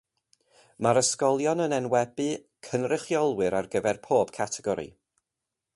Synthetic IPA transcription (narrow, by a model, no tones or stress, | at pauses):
maɾəskɔlˠjɔnənɛnwɛbɨ | kʰənrɪχjɔlˠwɨɾarɡəvɛrpʰoːb̥kʰatʰɛɡɔɾḭ